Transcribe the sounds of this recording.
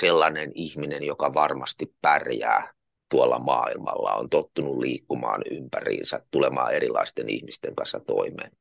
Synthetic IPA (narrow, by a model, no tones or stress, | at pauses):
selːɑnenihminenjokɑʋɑrmɑst̪ippærjæː | t̪uɑlːɑmɑːilmɑlːɑo̰nt̪ot̪ːunulliːkːumɑːnympærḭːnsæt̪t̪ulemɑːerilːɑist̪enḭhmist̪eŋkɑnsːɑt̪o̰imeːn